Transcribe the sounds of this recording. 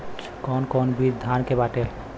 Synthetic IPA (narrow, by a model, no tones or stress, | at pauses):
kɔnkɔnbid̪ʱːankebaʈel